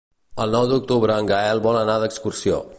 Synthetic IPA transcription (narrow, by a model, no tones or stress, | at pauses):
əlˠnɔwd̪uk̚t̪uβɾəːŋɡaɛlˠβɔlənaðəkskursio̰